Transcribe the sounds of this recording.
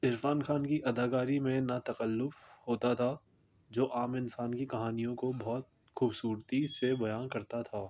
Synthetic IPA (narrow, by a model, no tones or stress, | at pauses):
ɪɾfaːnxʰaːnkiʔɐd̪aːkaːɾimẽnɐt̪ɐkəlːʊfhoːt̪at̪ʰaː | d͡ʒoːʔaːmɪnsaːnkikɐɦaːnijõkobɔːt̪̚ | xuːbsuːɾt̪isebɐjaːnkɐɾt̪at̪ʰaː